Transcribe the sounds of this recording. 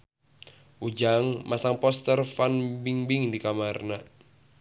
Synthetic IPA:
ʔud͡ʒaŋmasaŋpɔst̪ərfanbiŋbiŋdikamarna

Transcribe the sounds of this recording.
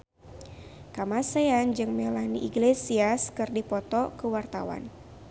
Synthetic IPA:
kamaseand͡ʒɨŋmelaniʔiɡlesiaskɨrdipɔt̪ɔkəwart̪a̰wa̰n

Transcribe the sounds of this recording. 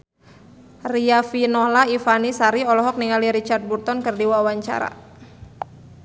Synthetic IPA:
riafinɔhlaifanisaɾiɔlɔɦɔk̚niŋaliɾit͡ʃart̪̚burt̪ɔnkɨrdiwawaɲt͡ʃa̰ɾa̰

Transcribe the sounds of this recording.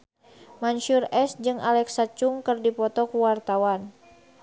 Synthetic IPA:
manʃurɛsd͡ʒɨŋʔalɛksat͡ʃuŋkɨrdipɔt̪ɔkuwart̪awan

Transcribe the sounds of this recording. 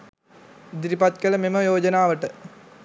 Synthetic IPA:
d̪ɾipɐt̪kɐlɐmemɐjoːd͡ʑɐnaːʋɐʈɨ

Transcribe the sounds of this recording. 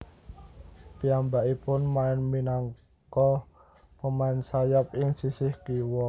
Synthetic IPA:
piambaʔipʊnmaɪnminaŋ | kɔ | pəmaɪnsajap̚ɪŋsisɪhkiwɔ

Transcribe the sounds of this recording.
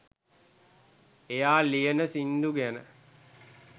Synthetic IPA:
ejaːlijənəsind̪uɡænə

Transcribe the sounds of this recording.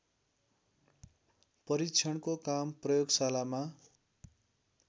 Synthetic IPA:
pʌɾikt͡sʰʌɳkokamprʌjoɡsalama

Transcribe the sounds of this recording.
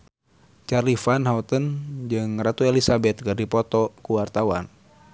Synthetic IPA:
t͡ʃarlifanɦaut̪ənd͡ʒɨŋrat̪uelisabɛt̪̚kɨrdipɔt̪ɔkuwart̪awa̰n

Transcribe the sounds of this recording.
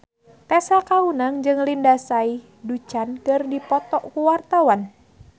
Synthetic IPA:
t̪ɛsakaunaŋd͡ʒɨŋlindasai | dut͡ʃankɨrdipɔt̪ɔʔkuwart̪awan

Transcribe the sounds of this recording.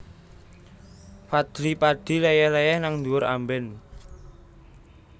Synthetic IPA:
fad̪̥ɾipaɖ̥i̤lejɛhlejɛhnaŋnd̪uʊɾa̰mbɛn

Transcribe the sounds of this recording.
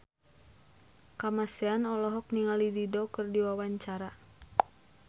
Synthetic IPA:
kamasɛanɔlɔɦɔk̚niŋalididɔkərdiwawaɲt͡ʃaɾa

